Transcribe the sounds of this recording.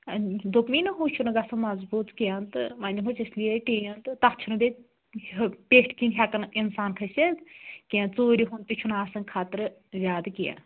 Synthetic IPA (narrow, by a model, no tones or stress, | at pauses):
d̪okminɐɦut͡ʃʰunɨɡɐsɐmɐzbuːt̪kijant̪ɨmɐnʲd͡ʒimut͡ʃislijeʈijɐnt̪ɨt̪ɐt͡ʃʰunub̪e | pʲeːʈʰkinɦʲakɐninsaːnkʰɐsʲekiãnt͡soːɾʲiɦunt̪it͡ʃʰunaːsɐnkʰaːt̪ɨɾɨzʲaːd̪ɨkijã̰n